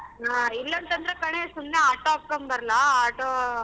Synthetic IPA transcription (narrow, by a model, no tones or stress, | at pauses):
aːɪlːɐnt̪ɐnd̪ɾɐkɐɳesʊnːɐaːʈːoːɐkːɐmbɐɾlaːaːʈːoː